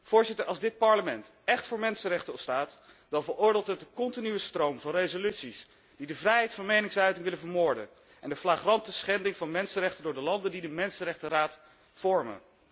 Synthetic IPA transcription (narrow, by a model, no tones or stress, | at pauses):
v̥ʊːɹzɪtəɹɑlˠzdɪt̚pɑɹləmɛnt | ɛχtfʊːɹmɛnsənrɛχtənɔpstaːt | dɑlvəɹʊːɹdɪːlˠtɦət̚dəkɔntinyʋəstrowmvɑnrejzolytsis | d̥idəvrɛjɦɛjtfɑnmejnɪŋsœɥtɪŋʋɪlənvəɹmʊːɹdə̰n | ʔɛ̰ndəflaːχrɑntəsχɛndɪŋvɑnmɛnsənrɛχtəndʊːɹdəlɑndəndidəmɛnsənrɛχtəraːt | fɔɹmə̰n